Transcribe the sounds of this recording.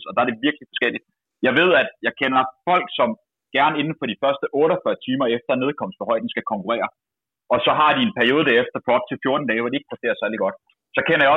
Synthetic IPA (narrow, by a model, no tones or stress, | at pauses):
sɒ̽d̥ɑ̈æɐd̥e̝ʋiɐɡ̥lifɒ̽sɡ̥el̰id̥ | jɑ̈ɪʋe̝ð̰ˠæd̥jɑ̈ɪkʰenɐfɒ̽l̰ɡ̥sɒ̽m | ɡ̥æɐne̝nn̩fɒ̽ɾ̥ifɶɐsd̥əʔɔːɾɒfɶːɐt͡sʰiːmɐefd̥ɐne̝ðˠkʰɒ̽m̰sd̥ʋɒ̽ɦɒ̽ɪ̰d̥n̩sɡ̥ækʰɒ̽ŋkʰuʁɛ̰ːɐ | ʔɒ̽sɒ̽ɦɑ̈d̥ie̝npʰæɐijo̝ːð̞̩ˠd̥æɐefd̥ɐpʰɒ̽ɒ̽b̥̚t͡sʰe̝lfjo̝ɐd̥n̩d̥ɛːʋɒɾee̝ɡ̥̚pʰɐste̝̰ːɐsæɐliɡ̥ɒ̽d̥ | sɒ̽kʰenɐjɑɒ̽